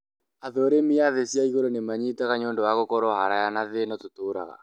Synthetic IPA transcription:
aðɔɾemiaðesjaiɣoɾonemaɲitaɣaɲoːndɔwaɣokɔɾɔhaɾajanaðenɔtotoːɾa̰ɣa̰

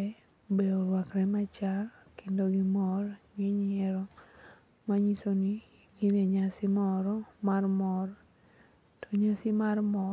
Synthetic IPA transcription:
ɛ | bɛoɾwakɾɛmat͡ʃakɪndoɡɪmɔrŋeɲɛɾɔ | maɲisoni | ɡineɲasɪmɔɾɔmarmɔr | toɲasɪmarmɔ

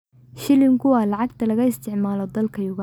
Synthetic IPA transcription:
ʃɪlɪŋkʰʊwɑːlɑʕɑɡt̪ʰɐlɐɣɐɪst̪ʰɪʕmaːlɔd̪ɐlkʰɐjʊɣaː

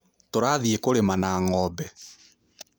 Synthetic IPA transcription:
toɾaðiekoɾemanaːŋɔːbɛ

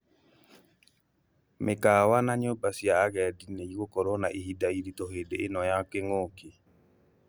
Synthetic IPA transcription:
mʔekawanaɲobasjaːɣɛdineiɣokɔɾonaʔiɦidaiɾitoɦedeenɔjakeŋoki

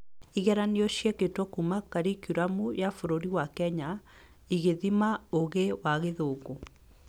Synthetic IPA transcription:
iɣɛɾaniɔɕjɛketɔkumakaɾikuɾamujafoɾoɾiwakɛɲa | iɣeðimaoɣewaɣeðoːɡo

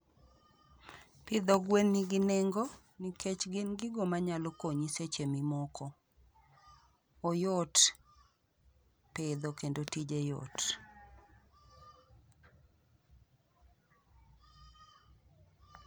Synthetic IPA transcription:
pɪd̪ɔɡwenːiɡɪnɛŋɡɔ | nikʰet͡ʃɡɪnɡɪɡomaɲalokoɲiset͡ʃemimɔkʰɔ | ɔjɔt | ped̪ɔkendotid͡ʒejo̰t

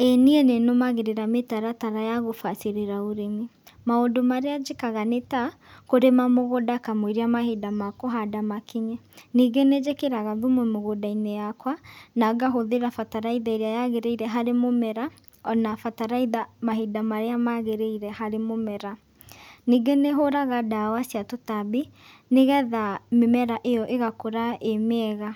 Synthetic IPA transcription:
eniɛnenomaɣeɾeɾametaɾataɾajaɣofaseɾeɾaoɾemi | maondomaɾead͡ʒekaɣaneta | koɾemamoɣodakamweɾeamahedamakoɦadamakiɲɛniːɡened͡ʒekeɾaɣaðomwɛmoɣodainejakwanaɡaɦoðeɾafataɾaiðaeɾeajaɣeɾeiɾɛɦaɾemomɛɾa | ɔnafataɾaiðamaɦidamaɾeamaɣeɾeiɾɛhaɾemomɛɾa | niːɡeneɦoɾaɣadawasiatotabi | neɣɛðamemɛɾaʔejɔʔeɣakoɾaemeɛɣa

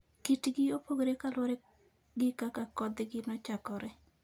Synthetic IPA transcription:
kitɡɪopoɡɾekalwɔɾe | ɡɪkakakɔd̪ɡɪnɔt͡ʃakɔɾɛ

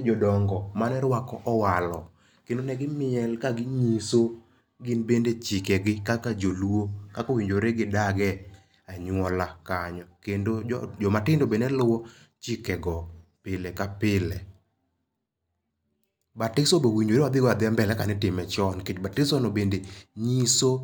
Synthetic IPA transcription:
d͡ʒɔdɔŋɡɔmanɛɾwakɔʔɔwalɔ | kendonɛɡɪmɪɛlkaɡɪɲiso | ɡɪnbendet͡ʃɪkɛɡɪkakad͡ʒoluokakowiɲd͡ʒoɾeɡɪdaɡɛ | aɲwɔlakaɲɔkendod͡ʒɔmatɪndobenɛlʊwɔ | t͡ʃɪkɛɡɔpɪlɛkapɪlɛ | batɪsobewiɲd͡ʒoɾewad̪ɪɡɔad̪ɪambɛlɛkanɛtɪmɛt͡ʃɔnket͡ʃbatɪsɔnɔbendeɲiso

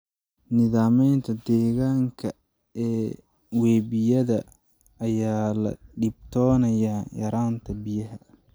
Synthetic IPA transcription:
nɪðaːmɛjnt̪ʰɐd̪ɛːɣaːŋkʰɐ | ɛː | wɛːbɪjɐðɐː | jaːlɐ̰ɖɪb̚t̪ʰɔːnɐjajɐɾaːnt̪ʰɐbɪjɐɦɐ

